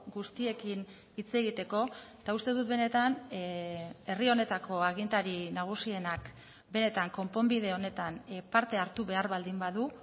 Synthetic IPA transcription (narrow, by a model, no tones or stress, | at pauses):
ɡust̪ie̞kin | it͡se̞ɣ̞it̪e̞ko̞t̪aust̪e̞ðut̪be̞ne̞t̪an | e̞rio̞ne̞t̪ako̞aɣ̞int̪aɾinaɣ̞usie̞nak | be̞ne̞t̪aŋko̞mpo̞mbið̞e̞o̞ne̞t̪anpaɾt̪e̞aɾt̪uβe̞aɾβald̪imbaðu